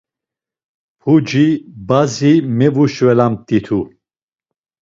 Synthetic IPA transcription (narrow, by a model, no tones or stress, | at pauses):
pʰud͡ʒibazimɛvuʃvɛlamt̪ʼit̪ʰu